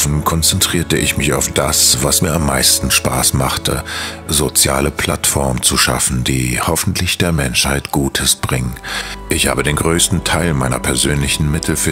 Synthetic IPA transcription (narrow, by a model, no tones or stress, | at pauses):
fn̩kʰɔnt͡sɛntʁ̥iːɐtəʔɪ̰çmɪçaʊfd̥asv̥asmiːɐamːa̰ɪstn̩ʃpa̰ːsmaχtʰə̰ | zot͡sja̰ːləpʰl̥atfɔɐmnt͡suʃa̰fn̩d̥iːhɔfn̩tʰlɪçd̥eːɐmɛnʃhaɪtɡ̥uːtʰəsb̥ʁɪŋəʔɪçha̰ːbədeːnɡʁøːstn̩tʰaɪlmaɪnɐ̰pʰɛɐzøːnlɪçn̩mɪtʰl̩fy